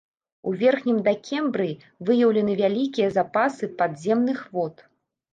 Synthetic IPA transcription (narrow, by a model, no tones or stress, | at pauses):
uvʲɛrxnʲimd̪ɐkʲʰɛmbɾɨ | vɨjɐwlʲɐnɨvʲalʲikʲijɐzapasɨpad̪zʲɛmnɨxvɔt̪